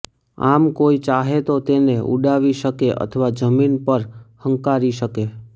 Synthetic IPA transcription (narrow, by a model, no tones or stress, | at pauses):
a̰mkoit͡ʃaɦet̪ot̪eneʔṵɖaʋiʃəkeʔə̰t̪ʰəʋad͡ʒəminpəɾhəŋkaɾiʃəke